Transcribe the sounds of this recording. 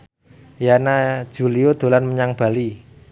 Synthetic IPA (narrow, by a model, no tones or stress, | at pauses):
janḁd͡ʒ̥ṳliod̪̥o̤lanməɲaŋb̥a̤li